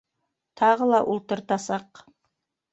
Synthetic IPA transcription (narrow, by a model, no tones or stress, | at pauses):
t̪ʰɑʁəlˠɑʔʊlˠt̪əɾt̪ɑsɑq